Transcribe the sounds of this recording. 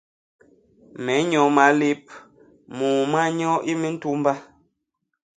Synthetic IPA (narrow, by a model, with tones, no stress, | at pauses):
mɛ˨˦ɲɔ˨˦ma˨˦le˦p̚ | muː˨ma˦ɲɔ˦ʔi˦me˦n̩˦tu˦m˦ba˦